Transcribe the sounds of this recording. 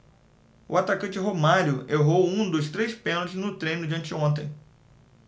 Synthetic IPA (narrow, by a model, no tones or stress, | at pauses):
ʊ̰at̪akɐ̃nt͡ʃɪɦomaɾjʊeɦowũd̪ʊst̪ɾejspẽnʊznʊt̪ɾẽj̃nʊd͡ʒiɐ̃nt͡ʃɪõnt̪ẽj̃